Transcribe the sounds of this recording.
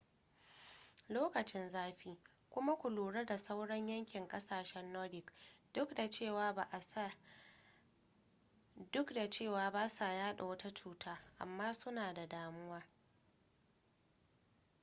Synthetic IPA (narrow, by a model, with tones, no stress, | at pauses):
loː˦kɐ˨t͡ʃɪ˦nzaː˦ɸiː˦ | kʷʊ˦ma˦kʷʊ˨luː˨ɽɐ˦da˨sa˦wɽɐ˦ɲjɐ˦ŋkʲɪ˨ŋkʼɐ˦saː˨ʃɛ˦nːɔ˦lɪ˨kd̥ʊ˦kda˨t͡ʃeː˦˨waː˦ba˨ʔa˦ | dʊ˦kda˨t͡ʃeː˦˨waː˨baː˦sa˨jaː˦ɗa˨wɐ˦ta˦t͡ʃuː˦tʰaː˦ʔa̰˨mːaː˦sʊ˦naː˨da˨daː˦mʊ˦waː˦